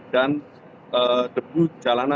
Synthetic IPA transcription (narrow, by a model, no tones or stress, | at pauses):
dan | ədəbud͡ʒalana